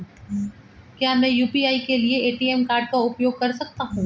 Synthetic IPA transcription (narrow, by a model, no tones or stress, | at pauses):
kjaːmɛ̃ːjuːpiaːikelieeːʈiːɛːmkaːɾɖ̚kaʊpjoːɡ̚kɐɾsɐk̚t̪aɦũː